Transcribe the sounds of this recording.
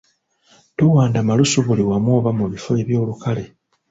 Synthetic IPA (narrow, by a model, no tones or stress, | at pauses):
tuwaːndamalusuβuliwamwo̞ːβamuβifo̞e̞βjo̞ːlukale